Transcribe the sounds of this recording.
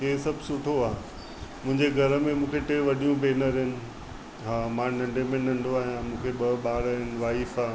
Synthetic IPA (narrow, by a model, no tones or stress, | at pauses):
ɪɦesɐbʱsʊʈʰoaː | mʊ̃ɦɪ̃ɲd͡ʑeɡʱɐɾəmẽmũːkʰeʈeːʋɐɗijũbeːnəɾɦɪnɪ̆ | ɦaːmãːnɐ̃ɳɖemẽnɐ̃ɳɖʱoaːɦijãmũːkʰeɓɐɓaːɾɦɪnɪ̆ʋaːifaː